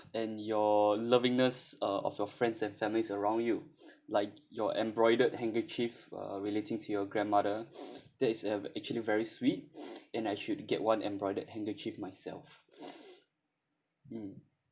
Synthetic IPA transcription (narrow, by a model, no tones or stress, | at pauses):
ɛ̃njɔləvɪ̃ŋnəsʌɔ̰fjɔfɹɛ̃ndsɛ̃nfɛ̃mlisəɹãw̃ndjulaɪk̚jɔʔɛ̃mbɹɔɪdəd̚hɛ̃ŋkət͡ʃifʌ̰ɹiletɪ̃ŋtʰujɔɡɹɛ̃nmadəd̥ɛtɪsəɛk̚t͡ʃuəlivɛɹiswit̚ɛ̃najʃud̚ɡɛt̚wãnɛ̰̃mbɹɔɪdəd̚hɛ̃ŋkət͡ʃifmajsɛ̰lf | m̩